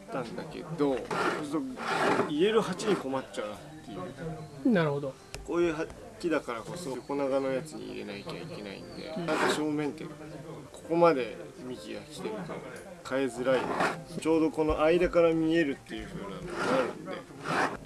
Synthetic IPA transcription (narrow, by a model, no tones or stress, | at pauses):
t̪ːãnd̪ake̞̰d̪o̞ot̪ːoiɾe̞ɾɯ̟ɦat͡ɕiɲ̟iko̞matt͡ɕːaɯ̟natt̪ːe̞jɯɯ̟naɾɯhod̪o | ko̞ːjɯ̟ːɦa | kʲid̪akaɾako̞so̞oko̞naɡano̞jat͡sɨɲ̟ḭḭɾe̞̰naikʲa̰ikʲe̞na̰ḭ̃nd̪e̞̰at̪aɕo̞ːmẽ̞nt̪e̞ko̞̥ko̞mad̪e̞ | mʲikʲiɡakʲi̥t̪eɾɯt̪o̰ | kae̞zɨɾaint͡ɕo̞ːd̪o̞ko̞no̞ʔaid̪akaɾamʲie̞ɾɯ̟t̪ːe̞jɯ̟ɸɯ̟ːna̰noaɾɯ̟̰nd̪e̞̰